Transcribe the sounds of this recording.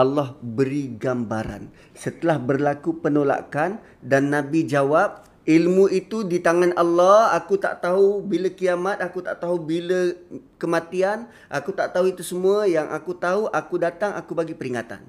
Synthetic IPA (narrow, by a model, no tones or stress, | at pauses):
alːɔhbəɾiɡambaɾa̰n | sət̪əlahbərlakupənola̰kan | danːãbid͡ʒawap̚ | ilmũit̪udit̪aŋanalːɔhakut̪a̰ʔt̪aɦubiləkiamat̪̚akut̪a̰ʔt̪aɦubilə | kəmãt̪ian | ʔa̰kut̪aʔt̪aɦuit̪usəmuajaŋʔakut̪aɦuʔakudat̪aŋʔakubaɡipəɾiŋat̪a̰n